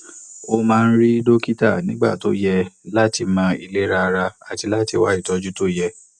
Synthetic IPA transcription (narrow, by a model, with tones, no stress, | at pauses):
o˧mãː˦˧n̩˦ɾi˦do˦ki˦ta˦˨nĩ˨˦ɡ͡ba̰˦˨to̰˦jɛ˧la˦ti˧mã˧˦i˧le˦ɾa˧ɾa˧a˧ti˧la˦ti˧wa˦i˦˨tɔ˧d͡ʒu˦to˦jɛ˧